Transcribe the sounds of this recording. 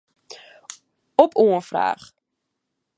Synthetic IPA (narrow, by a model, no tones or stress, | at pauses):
ɔpuənfra̰ːχ